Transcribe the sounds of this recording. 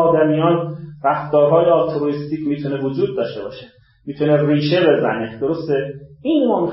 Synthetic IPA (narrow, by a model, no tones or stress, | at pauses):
ɒːd̪æmijɒːnɾæft̪ɒːɾɦɒːjeɒlt̪ʰoɾoist̪iːcʰʲmiːt̪ʰunevod͡ʒuːd̪̚ːɒːʃt̪e̞bɒːʃe̥ | miːt̪ʰuneriːʃebe̞zæ̰ned̪̥o̞ɾo̞st̪eiːnmɒːmi